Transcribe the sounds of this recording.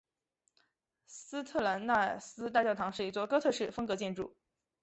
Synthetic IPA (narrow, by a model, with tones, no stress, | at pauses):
s̩˥t̪ʰɤ˥˩la˧˥nna˥˩sɹ̩˥t̪̬a˥˧t͡ɕjɑ˥˩ʊt̪ʰɑ˧˥ŋʂɻ̩˥˩i˧˥t͡swɔ˥˩kɤ˥t̪ʰɤ˥˧ʂɻ̩˥˩fɤ˥ŋkɤ˧˥t͡ɕjɛ˥˧nʈ͡ʂṵ˥˩